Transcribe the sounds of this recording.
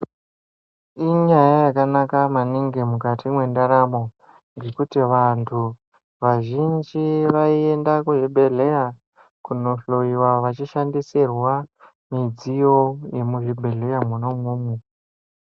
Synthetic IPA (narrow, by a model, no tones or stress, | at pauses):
iɲajajakanakamaniŋɡemukatʰimwe̞ndaɾamo̞ | ŋɡe̞kutiʋantʰu | ʋaʒind͡ʒiʋaie̞ndakuʐibʱe̞le̞ja | kuno̞ɬo̞iwaʋat͡ʃiʃandisirwa | mid͡zijo̞je̞muʐibʱe̞ɮejamuno̞muːmu